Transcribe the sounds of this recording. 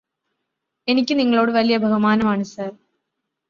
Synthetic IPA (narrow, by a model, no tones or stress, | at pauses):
ɛnɪkʲːɯniŋɡɐɭoːɽɯʋɐlɪjɐbʱɐɣɐmaːnɐmaːɳɯsaːɾ